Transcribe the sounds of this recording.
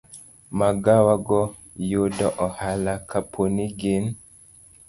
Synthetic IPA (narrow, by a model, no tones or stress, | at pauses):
maɡawaɡɔ | jodɔʔɔhalakʰapʰoniɡen